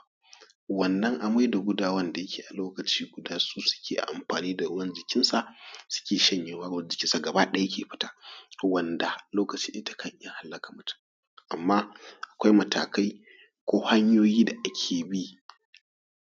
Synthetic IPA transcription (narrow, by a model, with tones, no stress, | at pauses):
wɐ˨nːɐ˦ŋʔa˨ma˦jda˨ɡʷʊ˦daː˦wɐ˦nda˨jɐ˦kʲʰeː˨ʔa˨loː˦kɐ˨t͡ʃiː˦ɡʷʊ˨daː˦suː˦sʊ̥˦kʲʰeː˨ʔa̰˨ʔa˨mɸaː˨niː˦da˨˦wɐ˦nd͡ʒɪ˨kʲɪ˦nsa˨ʔsʊ̥˦kʲeː˨ʃɐ˦ɲjeː˦waː˦d͡ʒɪ˨kʲɪ˦nsa˨ɡɐ˨ba˦ɗa˦kʲeː˨ɸɪ̥˦taː˦wɐ˨nda˨loː˦kɐ˨t͡ʃi̥ː˦ʔɪ˦tḁ˨kʰɐ˦ɲʔja˦ŋha˦lːɐ˦ka˨mʊ˦tʊ̥˦ | ʔa˨mːaː˦ʔa˨kʷa˦jmɐ˨ta̰ː˨ka˦j | kʷoː˦ha˦ɲjoː˦jiː˦da˨ʔa˦kʲʰeː˨bi˦